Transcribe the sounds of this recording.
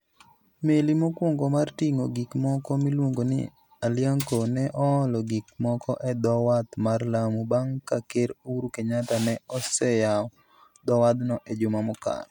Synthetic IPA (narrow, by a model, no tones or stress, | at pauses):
melimokwoŋɡɔmartiŋoɡikmɔkɔmilwoŋɡonɪ̰ | aljaŋkonɛʔɔɔlɔɡik̚mɔkɔʔɛd̪ɔwat̪marlamubaŋkakeɾuɾukeɲat̪anɛɔsɛjaɔ | d̪ɔwad̪nɔʔed͡ʒʊmamʊka̰n